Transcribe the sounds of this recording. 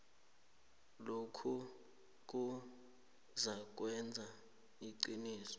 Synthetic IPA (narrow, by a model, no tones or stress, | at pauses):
lokʰu | k̬u | zak̬wɛnd͡zʱa | iǀiniːsɔ̥